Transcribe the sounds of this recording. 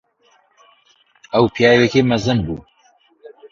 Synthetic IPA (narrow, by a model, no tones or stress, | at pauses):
ɐwpʰijaːjwɛkeːmɐzɨnbṵː